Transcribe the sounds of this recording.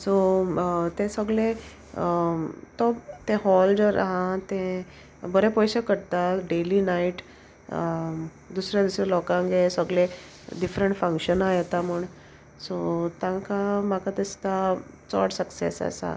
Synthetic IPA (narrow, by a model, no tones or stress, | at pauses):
so | t̪ẽsəɡɭe | t̪ɔt̪ẽɦɔld͡zəɾ̰ɦãt̪ẽ | bəɾepɔjɕəkəɽt̪aɖelinaiʈ | d̪usɾjad̪usɾelɔkãŋɡesəɡle | ɖifɾəɳʈfə̃ŋkɕənajet̪amuɳ | sot̪ãŋkamakat̪əst̪at͡sɔ̰ʈsəksḛsa̰sa̰